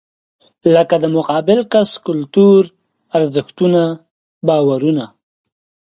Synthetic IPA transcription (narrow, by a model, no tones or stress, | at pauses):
ləkad̪əmʊqɑbɪlkaskʊlt̪uɾ | aɾzɪxt̪una | bɑwaɾuna